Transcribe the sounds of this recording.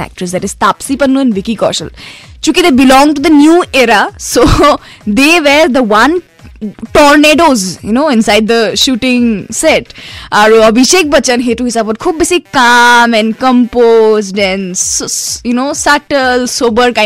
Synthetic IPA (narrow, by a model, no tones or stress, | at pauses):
æ̰k̚ʈɾəsd̪ɛʈɪz̥t̪aːpsipənːũɛ̃nʋɪkikɔ̰ːɾʃə̰lt͡ʃukid̪ebɪlɔ̃ŋʈud̪ənjuːeɾaso | d̪eʋɛɾd̪əʋɐ̃n | ʈɔɾneːɖozjunoːɪ̃nsaɪɖ̚d̪əʃuːʈɪ̃ŋsɛʈaɾəbʱiʃek̚bət͡ʃə̃nɦeʈuɦisabɔʈ̚kʰuːb̚ːesikkamɛ̃nɖkə̃mpozʈɛ̃nsjunoːsaʈəlsoːbəɾkãɪ̃